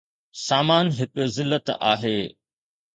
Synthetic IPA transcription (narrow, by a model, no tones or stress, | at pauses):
saːmaːnɦɪkʊ̆zɪlːət̪a̰ːɦeː